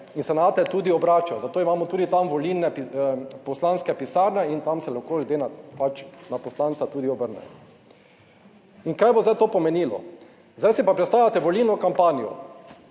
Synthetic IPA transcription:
insɛnat̪ɛt̪uːd̪iɔbɾaːt͡ʃɔzat̪oːimaːmɔt̪uːd̪it̪amʋɔlinɛpipɔslanskɛpisaɾnɛint̪amsɛlaxkolʲɡd̪enapat͡ʃnapɔslant̪sat̪uːd̪iɔbəɾnɛ̰jɔ | iŋkajbozd̪ajt̪oːpɔmɛniːlɔ̰ | zajsipapɾɛt̪st̪aːʋlʲat̪ɛʋolinɔkampaːnijɔ̰

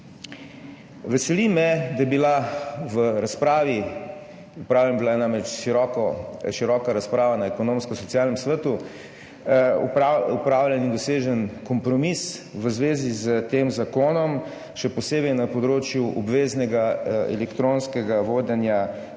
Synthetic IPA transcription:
ʋɛsɛlimɛd̪ajɛbilaʋəɾaspɾaːʋi | upɾaːwlʲɛnbilanamɾɛt͡ʃʃiɾɔkɔʃiɾɔːkaɾaspɾaːʋanaɛkɔnõmskɔsɔt̪sijaːlnɛmsʋət̪u | upɾawljɛnind̪ɔseːʒənkɔmpɾɔmisʋəzʋeːzizət̪eːmzakoːnɔm | ʃɛpɔseːbɛjnapɔd̪ɾoːt͡ʃjuʔɔbʋeːznɛɡaɛ̰lɛkt̪ɾonskɛɡaʋoːd̪ɛnja

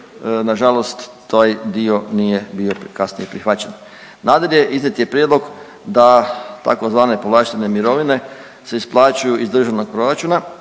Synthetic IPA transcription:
naʒalo̞st̪ː | aːjd̪io̞nije̞bio̞pkasnḭjepɾixʋat͡ɕen | naːd̪ale̞ʔiznʲet̪je̞pɾjed̪loɡ | d̪at̪a̰ko̞zʋaːne̞poʋlaʃt̪enemiɾo̞ʋine̞ | se̞isplˠaːt͡ʃujuʔizd̪r̩ʒaʋno̞ɡ̚pɾo̞ɾat͡ʃuːna

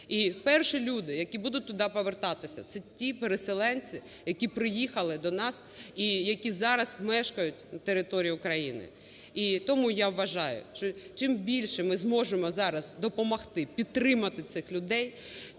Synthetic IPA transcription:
ipɛrʃilʲud̪ɪjɐkʲibud̪ʊt̚ʲt̪ʊd̪ɑpɔʋert̪ɑt̪ɪsʲɐ̰t̪sɛtʲipeɾeselˠɛnʲt͡sʲi | jɐkʲipɾɪjixɐlˠɪd̪ɔnɑs | ijɐkʲizɑɾɐzmɛʃkɐjʊt̚ʲnɐt̪eɾɪt̪ɔɾʲijiʊkɾɐjḭnɪ̰ | it̪ɔmujaʋːɐʒɑjʊ̰ʃt͡ʃɔt͡ʃɪmbʲilʲʃɛmɪzmɔʒemɔzɑɾɐzd̪ɔpɔmɐxt̪ɪpʲid̪̚t̪ɾɪmɐt̪ɪt̪sɪxlʲʊd̪ɛj

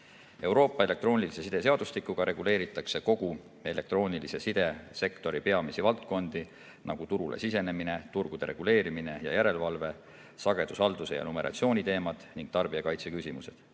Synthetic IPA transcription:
e̞wɾo̞ːpːˑɑele̞kt̪ro̞ːnʲilise̞sid̪̥e̞se̞ɑd̪̥ust̪ikːˑuɡ̥ɑɾʔe̞ɡ̥ule̞ːɾit̪ːˑɑkseko̞ɡ̥u | e̞le̞kt̪ro̞ːnʲilise̞sid̪̥e̞se̞kt̪o̞ɾipe̞ɑmisivɑlt̪̚ko̞nd̪̥i | nʔɑ̰ɡ̥ut̪uɾulḛsise̞ne̞mine̞t̪urɡ̥ud̪̥e̞ɾʔe̞̰ɡ̥ule̞ːɾimine̞jɑ̰jæɾe̞lvɑlve̞ | sɑɡ̥e̞d̪̥usɑld̪̥use̞̰jɑ̰nume̞ɾʔɑ̰t̪sio̞ːnʲit̪e̞ːmɑd̪̥niŋɡ̥̚t̪ɑrb̥iɑkɑjt̪se̞kysʲimuse̞d̪̥

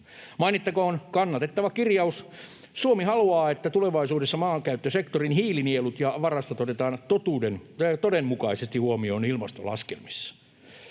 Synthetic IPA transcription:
mɑinit̪ːɑkoonkɑnːɑt̪et̪ːɑʋɑkirjɑus | suomihɑluɑːet̪ːæt̪uleʋɑisuːdesːɑmɑːŋkæyt̪ːøsekt̪orinhiːlinielut̪jɑʋɑrɑst̪ɑt̪ot̪et̪ɑːnt̪ot̪uːdent̪odemmukɑisest̪ihuomioːnilmɑst̪o̰lɑ̰skḛlmi̥sːɑ̥

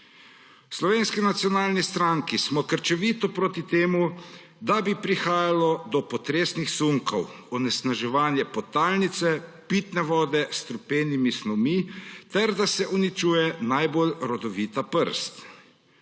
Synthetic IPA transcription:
wslɔʋeːnskinat̪sijɔnaːlnist̪ɾaŋkismɔkəɾt͡ʃɛʋiːt̪ɔpɾoːt̪it̪eːmu | d̪abipɾixaːjalɔd̪ɔpɔt̪ɾeːsnixsuŋkɔw | ɔnɛsnaʒɛʋaːnjɛpɔt̪aːlnit̪sɛpiːt̪nɛʋɔːd̪ɛst̪ɾupeːnimisnɔmit̪ɛɾd̪asɛʔunit͡ʃuːjɛnajbolɾɔd̪ɔʋiːt̪apəɾst̪

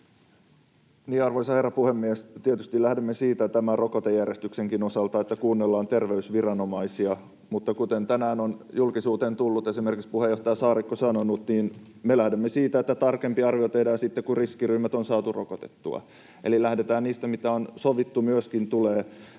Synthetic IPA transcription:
niːɑrʋoisɑherːɑpuhemːiest̪iet̪yst̪ilæhdemːesiːt̪æt̪æmærrʔo̞kot̪ejærjest̪ykseŋkino̞sɑlt̪ɑet̪ːækuːnːelːɑːnt̪e̞rʋeysʋirɑno̞mɑisiɑ | mut̪ːɑkut̪ent̪ænæːno̞njulkisuːt̪eːnt̪ulːut̪e̞simerkikspuhejo̞ht̪ɑjɑsɑːɾikːosɑno̞nut̪niːn | melæhdemːesiːt̪æet̪ːæt̪ɑrke̞mpiɑrʋiot̪e̞hdɑːnsit̪ːekuriskiryːmæt̪onsɑːt̪urʔokot̪e̥t̪ːṵɑ̰ | elilæhdet̪æːnniːst̪æmit̪æonsoʋit̪ːumyøskint̪uleː

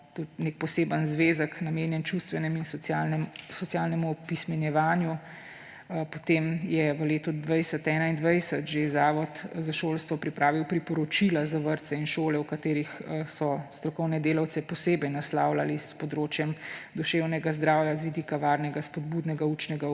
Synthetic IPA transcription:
t̪ut̪nek̚pɔseːbənzʋeːzəknameːnjɛnt͡ʃust̪ʋɛnɛmins | sɔt̪sijalnɛmupismɛnjɛʋaːnju | pɔt̪emjɛʋəleːt̪ɔd̪ʋajsət̪ɛnaind̪ʋajsət̪ʒeɛzaːʋɔt̪zaʃoːlst̪ʋɔpɾipɾaːʋiwpɾipɔɾɔt͡ʃilazaʋəɾt̪sɛinʃoːlɛwkat̪eːɾixsɔst̪ɾɔkɔwnɛd̪eːlawt̪sɛpɔseːbɛjnaslawlalispɔd̪ɾoːt͡ʃjɛmd̪ɔʃeːwnɛɡazd̪ɾaːwjazʋid̪iːkaʋaɾnɛɡaspɔd̪̚buːd̪nɛɡaut͡ʃnɛɡa

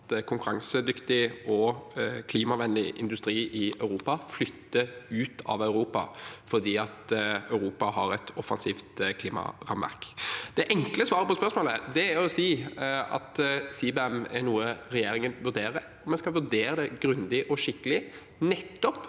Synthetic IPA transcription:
t̪kʰʊŋkʉɾɑŋsəd̪ʏkt̪ɪʔɔkʰliːmɑʋɛnlɪʔɪ̰nd̪ʉst̪ɾiːʔɪœʉɾuːpɑflʏt̪ːəʉːt̪ʰɑ̰ʋœʉɾuːpɑ̰fɔd̪iːɑt̪œʉɾuːpɑhɑɾɛt̪ʰɔfɑ̰nsiːft̪kʰliːmɑ̰ʁɑ̰mʋæ̰ɾkd̪̥ɛʔɛŋkləsʋɑːɾəpɔsmpœɾsmoːləd̪ɛæɾɔsiːɑ̰t̪siːbɛɛmɛ̰ɾnuːəɾɛjeːɾɪŋənʋʉɾd̪eːɾə | ɔmɛnskɑlʋʉd̪eːɾəd̪ɛɡɾʉnd̪ɪʔɔʂɪkːəlɪ | nɛt̪ːɔp

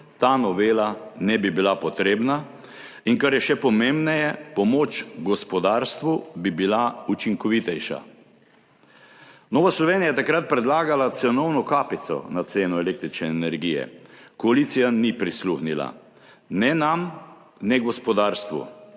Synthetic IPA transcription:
t̪anɔʋeːlanɛbibilapɔt̪ɾeːbna | iŋkaɾjɛʃɛpɔmembnɛjɛpɔmoːt͡ʃɡɔspɔd̪aːɾst̪ʋubibilaut͡ʃiŋkɔʋit̪ɛjʃa̰ | noːʋaslɔʋeːnijajɛt̪akɾat̪̚pɾɛd̪laːɡalat̪sɛnɔwnɔkaːpit̪sɔ̰nat̪seːnuɛlek̚t̪ɾit͡ʃnɛːnɛɾɡijɛ̰kɔalit̪sijanipɾisluxnila̰ | nɛnam | nɛɡɔspɔd̪aːɾst̪ʋṵ

